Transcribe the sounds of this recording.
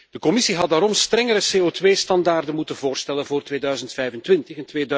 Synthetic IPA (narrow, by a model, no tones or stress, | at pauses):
d̥əkɔmɪsiɦɑdaːɾɔmstrɛŋəɾəseːoːtʋeːstɑndaːrdənmutənvoːrstɛlənvoːrtʋeːdœɥzəntfɛjvəntʋɪntəxɪntʋeːd